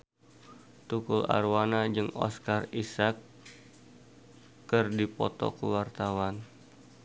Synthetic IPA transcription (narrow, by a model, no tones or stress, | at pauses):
t̪ukula̰rwanad͡ʒɨŋɔ̰skarisak | ɨrdipɔt̪ɔ̰kəwart̪awan